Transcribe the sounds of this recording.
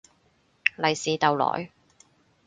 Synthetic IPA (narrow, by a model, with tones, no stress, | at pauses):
lɐ˨jsiː˨t̪ɐ˨wlɔ̰ː˨˩j